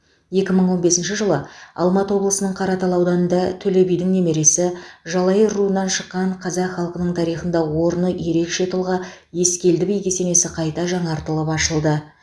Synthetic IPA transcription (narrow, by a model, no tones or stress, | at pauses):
je̞kʲɪməɴwo̞nbe̞sɪnʃɪʒəlˠəɑ̰lˠmɑt̪əwo̞blˠəsənəɴqʰɑɾɑt̪ɑlˠɑwd̪ɑnənd̪ɑt̪ʰɵle̞bijd̪ɪŋne̞me̞ɾe̞sɪʒɑlˠɑjəɾuənːɑnʃəqːɑɴqʰɑzɑqχɑlˠqənəɴt̪ʰɑɾijχənd̪ɑwo̞ɾənəje̞ɾe̞kʃe̞t̪ʰʊlˠʁɑ | je̞skʲe̞ld̪ɪbejkʲese̞ne̞sɪqʰɑjt̪ɑʒɑɴɑɾt̪əlˠəpɑʃəlˠd̪ə